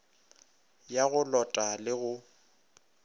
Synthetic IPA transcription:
jaɣʊlɔtʼalɪɣʊ

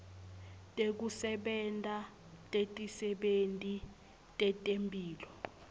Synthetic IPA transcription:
tʼek̬usɛɓɛntʼa | tʼetʼisɛɓentʼi | tʼɛtʼempʼiːlɔ

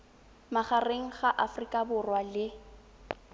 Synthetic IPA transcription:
maχareŋ̩χaʔafrikʼabʊrwalɪ

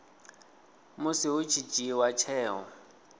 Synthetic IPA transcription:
mʊsɪɦʊt͡ʃʰit͡ʃʼiwat͡ʃʰɛːɦɔ̰

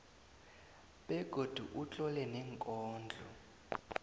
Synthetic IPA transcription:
ɓɛɡ̥ʱod̥ʱuʔut͡ɬʼɔlɛnɛŋkʼɔːnd͡ɮʱɔ

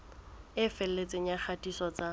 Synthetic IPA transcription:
ɪfɛl̩let͡sʼeɲ̩aχʰatʼisɔt͡sa

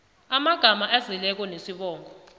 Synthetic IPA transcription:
amaɡ̥ʱamaʔɛzilɛk̬ɔnesiɓɔːŋɡʱɔ

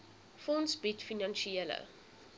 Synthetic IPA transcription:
fɔnsbitfinɑnʃiiələ̰

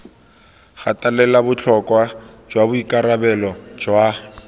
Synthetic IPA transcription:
χatʼalɛlabʊt͡ɬʰɔkʼwad͡ʒwabʊikʼaɾabɛlɔd͡ʒwa

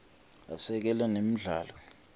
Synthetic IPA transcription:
a̰sɛk̬ɛlɛnem̩ɮa̰ːlɔ

